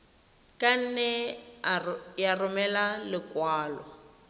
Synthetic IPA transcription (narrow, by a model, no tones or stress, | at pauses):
kʼan̩nɛ | jarʊmɛlalɪkwaːlɔ